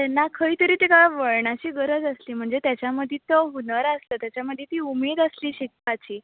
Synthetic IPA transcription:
t̪ɛnːakʰəit̪əɾiːt̪ikaɭaʋəɭɳat͡ɕiːɡəɾəd͡zəsliːm̤əɳd͡zet̪jat͡ɕjaməd̪ʱit̪əunəɾəsləːt̪jat͡ɕjaməd̪ʱjet̪iːumiːd̪əsliːɕikpat͡ɕiː

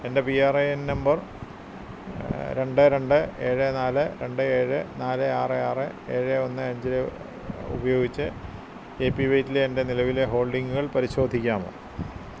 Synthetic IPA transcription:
e̞nde̞piaːreennɐmbɐr | ɾe̞ɳɖɨɾe̞ɳɖɨe̞ːɻɨnaːlɨɾe̞ɳɖɨeːɻɨnaːlɨaːrɨaːrɨe̞ːɻɨo̞nːɨɐɲd͡ʑiɾɨ | ṵbɐjo̞ːɡit͡ɕːɨ | epːiʋɐjtːileːnde̞nilɐʋileɦo̞ːɭɖiŋɡuɣɐɭpɐɾiɕo̞ːd̪ʱikʲːaːmo̰ːɳ

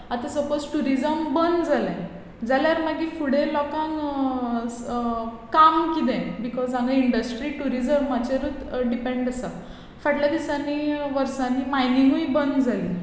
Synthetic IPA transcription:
at̪ãsəpod͡zʈuɾid͡zəmbənd̪d͡zʱalã | d͡zaljaɾmaɡifuɽẽlɔkãŋ | kamkid̪ẽbikɔzãŋɡaiɳɖəsʈɾiːʈuɾid͡zəɾmmat͡ɕeɾuːt̪ɖipẽɳɖəsa | faʈljad̪isaniʋəɾsãnimajniŋɡuibənd̪d͡zʱali

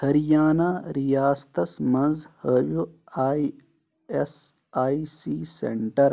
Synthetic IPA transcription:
hɐɾijaːnaːɾijaːst̪ɐsmɐ̃nzhəʋju | aːi | es | aːisiːsḛɳʈɐɾ

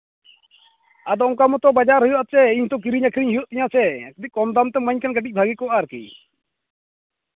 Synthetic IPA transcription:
ad̪ɔɔ̃kamɔt̪ɔbad͡ʒaɾɦujɔʔat̪t͡ʃɛiɲt̪ɔk̬iɾiɲakʰɾiɲɦujɔʔt̪iɲãsɛkd̪ic̚kɔmd̪amt̪ɛməɲkanɡəʈic̚bʱaɡikɔʔaɾkḭ

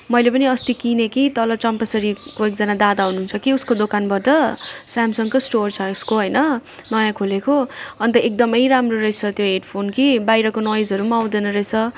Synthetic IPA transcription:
mʌjlepʌniʌst̪ikinekit̪ʌlʌt͡sʌmpʌsʌɾikoek̚d͡zʌnad̪ad̪aɦunuunt͡sʰʌkiuskod̪okanbʌʈʌsamsʌŋkosʈort͡sʰʌuskoɦʌjnʌ | nʌjãkʰolekoʌnt̪ʌek̚d̪ʌmʌjɾamroɾʌjt͡sʰʌt̪joɦeɖpʰonkibajɾʌkonʌjd͡zɦʌɾumaw̃d̪enʌɾʌjt͡sʰʌ

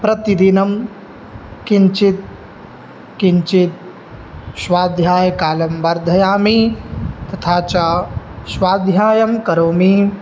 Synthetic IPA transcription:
pɾɐt̪id̪inɐm | kiɲt͡ʃit̪̚ | kiɲt͡ʃit̪̚ | ʃʋaːd̪ʱjaːjɐkaːlɐmbɐɾd̪ʱɐjaːmit̪ɐt̪ʰaːt͡ʃaːʃʋaːd̪ʱjaːjɐmkɐɾoːmi

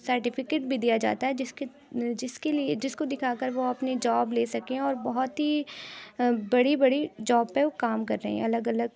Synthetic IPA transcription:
sɐɾʈɪfʰɪkeːʈ̚bʱid̪ijad͡ʒa̰ːt̪aɦɛd͡ʒɪske | d͡ʒɪskelid͡ʒɪskod̪ɪkʰaːkəɾʋoɐpned͡ʒɔːbleːsɐkẽɔːɾbɐɦʊt̪ɦi | bɐɽibɐɽid͡ʒɔːbpekaːmkɐɾːɐɦḛ̃ɛ̰̃ɐləɡɐləɡ

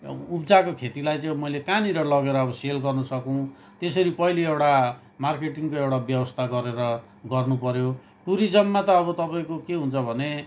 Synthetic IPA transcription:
upd͡zakokʰet̪ilajt͡sʌ̃ĩmʌjlekaniɾʌlʌɡeɾʌːbʌselɡʌrnʌsʌkuw̃ | t̪esʌɾipʌɦiliewɽa | markeʈiŋkoewɽabjʌwʌst̪ʰaɡʌɾeɾʌ | ɡʌrnupʌɾjo | ʈuɾid͡zʌmːat̪ʌːβʌt̪ʌpaẽkokeɦunt͡sʰʌbʱʌne

